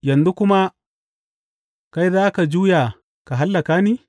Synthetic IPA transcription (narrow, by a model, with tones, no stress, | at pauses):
ja˨ndu˦ku˦ma˦ | ka˦jða˦ka˨d͡ʒu˦ja˨ | ka˨ɦa˦lːa˨ka˦ni˦